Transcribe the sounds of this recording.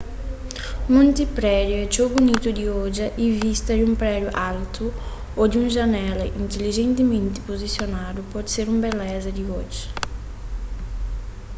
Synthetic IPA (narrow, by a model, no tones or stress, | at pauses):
mũnt̪ipɾɛd̪juɛt͡ʃobunit̪ud̪iod͡ʒɐʔivist̪ɐd̪umpɾɛd̪juʔalt̪ʰu | od̪iũŋʒanɛlɐʔint̪eliʒent̪ɪmẽnt̪ɪ̥pozisjonad̪upɔd̪seɾumbɛlɛzɐd̪iod͡ʒɐ